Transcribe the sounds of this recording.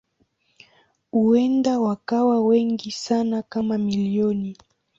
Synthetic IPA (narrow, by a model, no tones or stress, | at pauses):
huɛndawakawawɛŋɡisanakamamiliɔni